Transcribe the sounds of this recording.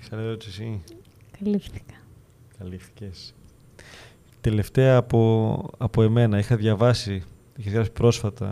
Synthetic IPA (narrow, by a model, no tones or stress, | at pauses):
sɐleot̪sesi | kɐlifθi̥kɐ̥ | kɐlifθi̥ces | t̪e̞le̞ft̪e̞ɐːpoɐpoe̞me̞nɐixɐðʝɐvɐsi | içezðjɾɐsi̥pɾo̞sfɐt̪ɐ̰